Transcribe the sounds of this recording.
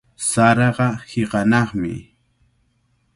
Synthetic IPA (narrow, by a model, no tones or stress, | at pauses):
saɾɑɢɑhɪqɑnɑχmɪ̰